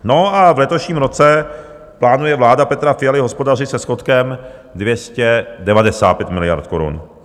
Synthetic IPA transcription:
no̞avlɛt̪oʃɲiːmɾo̞t͡sɛ | plaːnujɛvlaːdapɛt̪ɾafɪjalɪɦospo̞dar̝ɪsɛsko̞t̪kɛmdvjɛscɛdɛvadɛsa̰ːt̪̚pjɛt̪mɪlɪja̰ɾt̪̚ko̞ɾṵn

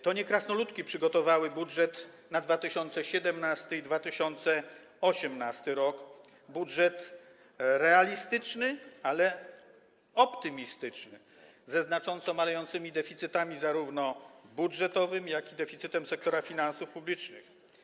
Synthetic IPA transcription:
t̪ɔɲɛkɾasnɔlut̪kʲipʂɘɡɔt̪ɔvawɘbudʐɛt̪ | nad̪vat̪ɘɕɔnt̪sɛɕɛd̪ɛmnast̪ɘid̪vat̪ɘɕɔnt̪sɛ | ɔɕɛmnast̪ɘɾɔkbudʐɛt̪ | ɾɛalʲist̪ɘt͡ʂnɘalɛ | ɔpt̪ɘmʲist̪ɘt͡ʂnɘ̰ | zɛznat͡ʂɔnt̪sɔmalɛjɔnt̪sɘmʲid̪ɛfʲit̪sɘt̪amʲizaɾuvnɔbudʐɛt̪ɔvɘmjakʲid̪ɛfʲit̪sɘt̪ɛmsɛk̚t̪ɔɾafʲinansufpublʲit͡ʂnɘ̰x

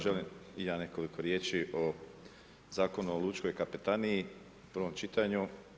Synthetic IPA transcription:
ʒelimijaːne̞ko̞liko̞ɾjeːt͡ʃiʔo | zaːko̞nuolˠut͡ʃko̞jkapet̪anii | pr̩ʋo̞mt͡ʃit̪aɲu

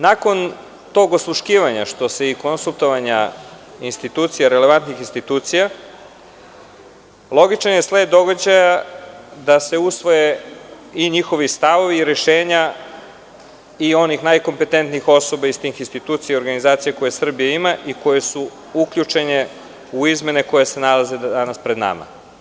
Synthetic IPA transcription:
nako̞n | t̪o̞ɡoslˠuʃkiːʋaɲaʃt̪o̞se̞iko̞nsulˠt̪o̞ʋaɲa | inst̪it̪uːt̪sijaɾe̞le̞ʋant̪nixinst̪it̪uːt̪sija | lˠo̞ɡit͡ʃanjesled̪o̞ɡad͡ʑajad̪ase̞usʋo̞je | iɲixo̞ʋist̪aʋo̞ʋiːɾeʃeːɲa | io̞nixnajko̞mpe̞t̪e̞nt̪niixo̞so̞baist̪iːxinst̪it̪uːt̪sijao̞ɾɡanizaːt̪sijako̞jesr̩bijaimaʔiko̞je̞su | uklʎut͡ʂe̞ne | uizme̞neko̞jese̞nalaze̞dd̪anaspɾe̞d̪na̰ma̰

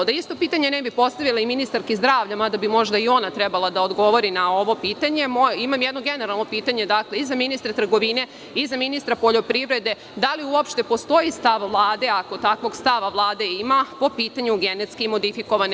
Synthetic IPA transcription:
d̪aist̪o̞piːt̪aɲe̞nebipo̞st̪aʋilˠaiminist̪aɾkizd̪ɾaːʋʎamad̪abimo̞ʒd̪aio̞nat̪ɾebalˠad̪aod̪ɡo̞ʋo̞ɾinao̞ʋo̞piːt̪aɲe̞moimamjed̪no̞ɡe̞neɾalˠno̞piːt̪aɲe̞d̪akleizaminist̪ɾat̪r̩ɡo̞ʋine̞ | izaminist̪ɾapo̞ʎo̞pɾiʋɾe̞d̪e̞ | d̪aliuopʃt̪e̞po̞st̪o̞ist̪aʋʋlˠaːd̪e̞ako̞t̪akʋo̞ɡst̪aʋaʋlˠaːd̪e̞imapo̞piːt̪aɲuɡe̞net̪skimo̞d̪ifiko̞ʋan

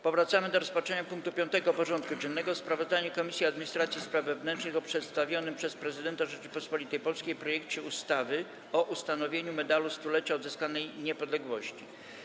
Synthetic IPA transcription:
pɔvɾat̪samɘd̪ɔɾɔspat͡ʂɛɲapuŋk̚t̪upʲjɔnt̪ɛɡɔpɔʐɔnt̪̚kud͡ʑɛnːɛɡɔspɾavɔzd̪aɲɛkɔmʲisʲjiad̪mʲiɲist̪ɾat̪sʲjispɾavvɛvnɛntt͡ʂnɘxɔpʂɛt̪st̪avʲjɔnɘmpʂɛspɾɛzɘd̪ɛnt̪aʐɛt͡ʂɘpɔspɔlʲit̪ɛjpɔlskʲejpɾɔjɛkt͡ɕɛust̪avɘ | ɔʔust̪anɔvʲjeɲumɛd̪alust̪ulɛt͡ɕaɔd̪zɘskanɛjɲɛpɔd̪lɛɡwɔɕt͡ɕi

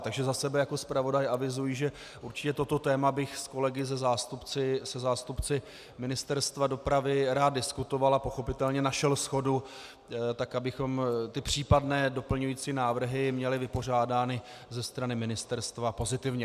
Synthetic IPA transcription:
t̪aɡʒɛzasɛbɛjako̞spɾavo̞dajʔavɪzujiʒɛ | ʔuɾt͡ʃɪ̥cɛt̪o̞t̪o̞t̪ɛːmabɪxsko̞lɛɡɪzɛzaːst̪upt͡sɪsɛzaːst̪upt͡sɪ | mɪnɪst̪ɛɾst̪vado̞pɾavɪɾaːd̪dɪskut̪o̞valapo̞xo̞pɪt̪ɛlɲɛnaʃɛlsxo̞du | t̪akabɪxo̞mt̪ɪpr̝̥iːpadnɛːdo̞pl̩ɲujiːt͡siːnaːvr̩ɦɪmɲɛlɪvɪpo̞r̝aːdaːnɪ | zɛst̪ɾanɪmɪnɪst̪ɛɾst̪vapo̞zɪt̪ɪvɲɛ

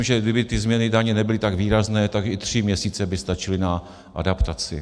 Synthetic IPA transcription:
mʒɛɡdɪbɪt̪ɪzmɲɛnɪdaɲɛnɛbɪlɪt̪aɡviːɾaznɛːt̪aɡɪt̪r̝̥ɪmɲɛsiːt͡sɛbɪst̪at͡ʃɪlɪna | ʔa̰dapt̪at͡sɪ̰

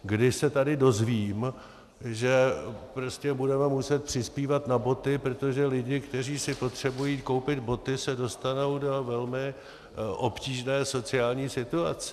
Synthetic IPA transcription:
ɡdɪʃsɛt̪adɪdo̞zviːm | ʒɛpɾo̞scɛbudɛmɛmusɛt̪̚pr̥ɪspiːvat̪nabo̞t̪ɪpɾot̪o̞ʒɛlɪɟɪkt̪ɛriːsɪpo̞t̪r̝̥ɛbujiːko̞wpɪd̪bo̞t̪ɪsɛdo̞st̪ano̞wdo̞vɛlmɪ | ʔo̞pciːʒnɛːso̞t͡sɪaːlɲiːsɪt̪uat͡sɛ̥

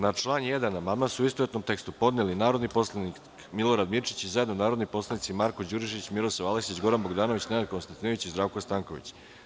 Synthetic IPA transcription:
nat͡ʂlˠaːnjed̪anamamasuuist̪oet̪no̞mt̪e̞kst̪upo̞d̪nelinaːɾo̞d̪nipo̞slˠani | kmilˠo̞ɾad̪miɾt͡ʃit͡ɕizajed̪nonaːɾod̪nipo̞slanit̪simaɾkod͡ʑuɾiʃit͡ɕmiɾosaʋaleksit͡ɕɡo̞ɾanbo̞ɡd̪aːno̞ʋit͡ɕnenad̪̚kost̪ant̪inoʋit͡ɕizd̪ɾaːʋkost̪aŋko̞ʋḭt͡ɕ

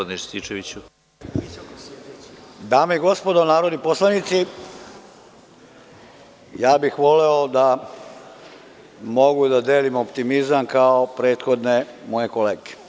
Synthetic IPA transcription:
d̪niʃt̪it͡ʃeʋit͡ɕu | d̪aːmeiɡo̞spo̞d̪onaːɾod̪niposlˠanit̪si | jaːbixʋo̞leod̪a | mo̞ɡud̪ad̪eːlimopt̪imizamkaopɾe̞ːt̪xo̞d̪ne̞mo̞je̞koleːɡe̥

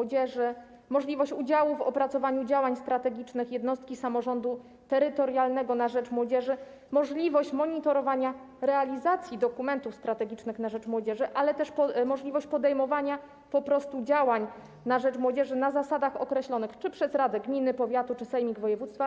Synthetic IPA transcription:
ɔd͡ʑɛʐɘ | mɔʐlʲivɔɕt͡ɕud͡ʑawuvɔ̰pɾat̪sɔvaɲud͡ʑawaɲst̪ɾat̪ɛɡʲit͡ʂnɘxjɛd̪nɔst̪̚kʲisamɔʐɔnd̪u | t̪ɛɾɘt̪ɔɾjalnɛɡɔnaʐɛt͡ʂmwɔd͡ʑɛʐɘ | mɔʐlʲivɔɕt͡ɕmɔɲit̪ɔɾɔvaɲa | ɾɛalʲizat̪sʲjid̪ɔkumɛnt̪ufst̪ɾat̪ɛɡʲit͡ʂnɘxnaʐɛt͡ʂmwɔd͡ʑɛʐɘʔalɛt̪ɛʂpɔmɔʐlʲivɔɕt͡ɕpɔd̪ɛjmɔvaɲa | pɔpɾɔst̪ud͡ʑawaɲ | naʐɛt͡ʂmwɔd͡ʑɛʐɘnazasad̪axɔkɾɛɕlɔnɘxt͡ʂɘpʂɛzɾad̪ɛɡmʲinɘpɔvʲjat̪ut͡ʂɘsɛjmʲiɡvɔjɛvut̪st̪fa

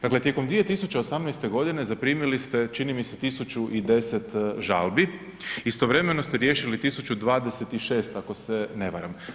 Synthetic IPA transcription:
d̪aklet̪jeko̞md̪ʋije̞t̪isut͡ɕeosamnɛjst̪e̞ɡo̞d̪ine̞zapɾiːmilist̪e̞t͡ʃinimiset̪isut͡ʃuʔid̪e̞se̞t̪ʒa̰lbi | ist̪oʋɾe̞me̞no̞st̪eɾje̞ːʃilit̪isut͡ɕud̪ʋaːd̪ese̞t̪iʃe̞ːst̪ako̞sene̞ʋa̰ɾam

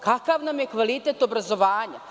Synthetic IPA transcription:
kakaʋnamjekʋalit̪et̪o̞bɾazo̞ʋaːɲa

